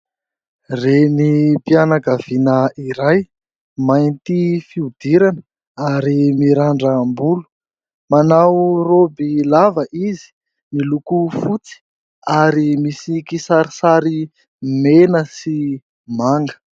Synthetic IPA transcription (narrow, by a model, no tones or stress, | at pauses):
renipianakav̥inəiɾaj | majnt̪ifiud̪̥iɾanə | aɾimiɾaɳɖ͡ʐəmbulu | manawrobilavəʔizi̥ | milukufut͡si̥ | aɾimisikisaɾisaɾi | menəsi | maŋɡə̥